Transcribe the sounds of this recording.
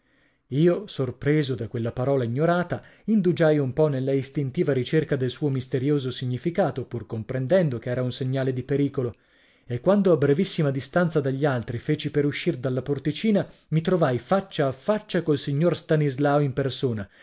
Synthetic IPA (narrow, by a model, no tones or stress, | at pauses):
iːosorpɾeːzod̪akːwelːapaɾɔːlaiɲːoɾaːt̪a | ind̪ud͡ʒajumpɔnelːaist̪int̪iːvaɾit͡ʃerkad̪elsuːomist̪eɾjoːzosiɲːifikaːt̪opurkompɾend̪ɛnd̪okeɛːɾaunseɲːaːled̪ipeɾiːkolo | ekːwand̪oabːɾevisːimad̪ist̪ant̪sad̪aʎːialt̪ɾifeːt͡ʃipeɾuʃːird̪alːaport̪it͡ʃiːnamit̪ɾovajfat͡ʃːaːfːat͡ʃːakolsiɲːorst̪anizlaoimpersoːna